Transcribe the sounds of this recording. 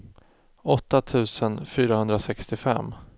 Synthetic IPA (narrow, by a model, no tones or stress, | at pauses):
ɔt̪ːat̪ʰʉ̟ːsənfyːɾahɵnd̪ɾasɛkst̪ɪfɛ̰mː